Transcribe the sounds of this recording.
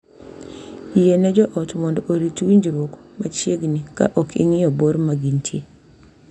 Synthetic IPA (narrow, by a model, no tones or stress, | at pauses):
ijenɛd͡ʒɔʔɔtmɔndɔʔoɾitwiɲd͡ʒɾʊkmat͡ʃjeɡnika̰ʔɔkɪ̰ŋɪɔboɾmaɡintʰje